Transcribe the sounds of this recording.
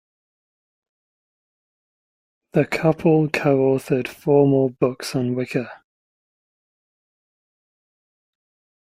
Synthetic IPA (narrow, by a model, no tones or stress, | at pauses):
ðəkʰʌpʰəlˠkʰəʊɔˑθəd̥fɔːmɔːbʊksə̃nwɪkʰə